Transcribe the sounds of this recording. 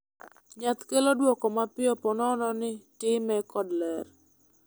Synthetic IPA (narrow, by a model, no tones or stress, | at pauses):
ɲat̪kelodwɔkɔmapɪɔpɔnɔnɔnɪtɪmɛkɔdlɛr